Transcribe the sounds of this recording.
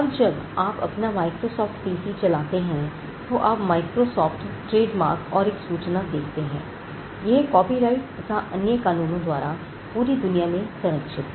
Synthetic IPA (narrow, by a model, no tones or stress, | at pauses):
ɐbd͡ʒɐɡaːpɐ̰pnamaːɪkɾosɔːfʈpiːsit͡ʃɐlaːt̪eɦɛ̃ | t̪oʔaːpmaːɪkɾosɔːfʈʈɾeːɖma̰ːɾkɔːɾeːksuːt͡ʃnad̪eːkʰt̪eɦɛ̰̃ː | jɐɦkɔːpiɾaːɪʈt̪ɐt̪ʰaʔɐnjəkaːnuːnõd̪waːɾa | puːɾid̪ʊnijamẽsʊɾəkʃɪt̪